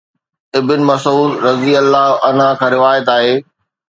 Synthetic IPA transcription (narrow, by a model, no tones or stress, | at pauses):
ɪbɪnɪ̆mɐsuːd̪ɾɐziɐlːaːʔɐn̤ãkʰãɾɪʋaːjət̪̬aːɦeː